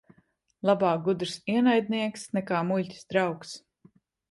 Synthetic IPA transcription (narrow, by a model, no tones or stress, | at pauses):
lˠabaːɡud̪ɾsiɛnajd̪̚niɛksnɛkaːmulʲcʲi̥sd̪ɾawks